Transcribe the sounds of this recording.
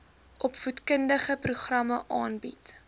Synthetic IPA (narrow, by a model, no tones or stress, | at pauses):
ʔɔpfutkəndəχəpruχrɐməʔɑːnbit